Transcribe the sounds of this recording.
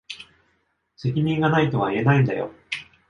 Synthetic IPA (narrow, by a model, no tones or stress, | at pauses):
se̞kʲiɲ̟ĩŋɡanait̪o̞βaie̞naĩnd̪a̰jo̞̰